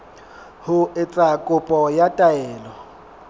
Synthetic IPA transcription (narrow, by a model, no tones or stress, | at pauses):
hʊɪt͡sʼakʼʊpʼɔjatʼaɛːlɔ